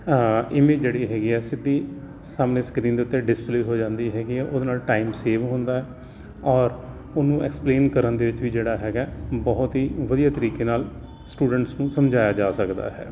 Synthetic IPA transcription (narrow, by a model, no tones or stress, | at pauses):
ɪmeːd͡ʒd͡ʒeːɽiːɦɛːɡiːɛːsɪd̪ːiː | saːmneːskɾiːnd̪eːʊt̪ːeɖɪspleːɦoːd͡ʒãːnd̪iːɦɛːɡiːɛːʔod̪eːnaːlʈaːɪmseːʋɦʊ̃nd̪aːɦɛː | ɔːɾ | ʊnũːɛ̰kspleːnkəɾənd̪eːʋɪt͡ʃʋiːd͡ʒeːɽaːɦɛːɡɛːbɔːʊt̪ɦiːʋəd̪ijaːt̪əɾiːkeːnaːl | sʈuːɖəɳʈsnũːsəmd͡ʒaːjaːd͡ʒaːsəkd̪a̰ːɦɛ̰ː